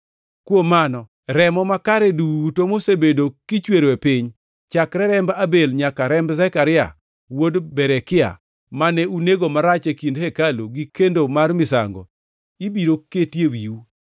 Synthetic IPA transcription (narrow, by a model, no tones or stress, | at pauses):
kwomanɔ | ɾɛmɔmakaɾɛdutomosebedokit͡ʃweɾoepiɲ | t͡ʃakɾɛɾɛmbabelɲakaɾɛmbzakaɾɪa̰ | wodbɛɾɛkɪa̰ | manɛuneɡomaɾat͡ʃekindhɛkaloɡikendomarmɪsa̰ŋɡɔ̰ | ibiɾoketjewiu